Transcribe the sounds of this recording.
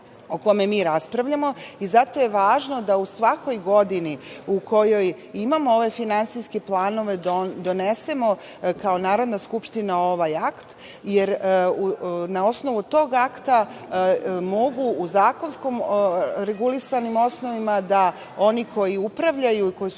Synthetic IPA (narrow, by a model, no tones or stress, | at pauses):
oko̞me̞miːɾaspɾaʋʎamo̞izat̪o̞je̞ʋaːʒno̞d̪ausʋako̞jɡo̞d̪iniuko̞jo̞j | imamooʋe̞finant̪siske̞plˠaːno̞ʋe̞d̪o̞ne̞se̞mo̞ | kao̞naːɾo̞d̪naskupʃt̪inao̞ʋajakt̪ | je̞ɾ | nao̞sno̞ʋut̪o̞ːɡakt̪a | mo̞ɡuːzaːko̞nsko̞mɾe̞ɡulisanimo̞sno̞ʋimad̪a | o̞nikʰo̞jiupɾaʋʎajuiko̞ji